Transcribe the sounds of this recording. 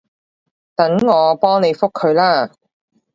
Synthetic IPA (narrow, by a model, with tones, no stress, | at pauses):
t̪ɐ˨˥ŋŋɔː˨˧pɔː˥ŋne˨˧jfʊ˥kʰːɵ˨˧ɥlaː˥